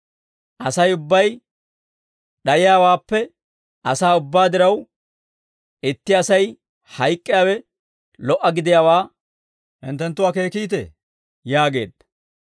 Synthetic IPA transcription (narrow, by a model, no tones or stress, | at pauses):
ʔɐsɐjʊbːɐj | ɗɐjɪjaːwaːpːɛ | ʔɐsaːʊbːaːd̪ɪɾɐw | ɪt̪ːɪɐsɐj | hɐjkʼːɪjaːwɛ | lɔʔːɐɡɪd̪ɪjaːwaː | hɪ̰nt̪ːɛnt̪ːʊwaːke̞ːkiːt̪ḛː | jaːɡe̞ːd̪ɐ